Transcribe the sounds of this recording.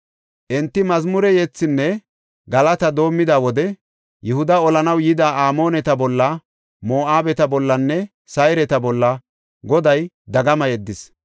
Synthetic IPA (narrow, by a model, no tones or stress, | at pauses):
ʔɛnt̪ːɪmɐzmʊɾɛjɛt͡sːɪnːɛ | ɡɐlɐt̪ɐd̪o̞ːmːɪd̪aːwɔd̪ɛ | jɛhʊd̪ɐɔlɐnɐwjɪd̪aːaːmo̞ːnɛt̪ɐbɔlːɐ | mo̞ːʔaːbɛt̪ɐbɔlːɐnːɛ | sɐjɾɛt̪ɐbɔlːɐ | ɡɔd̪ɐj | d̪ɐɡɐmɐjɛd̪ːɪs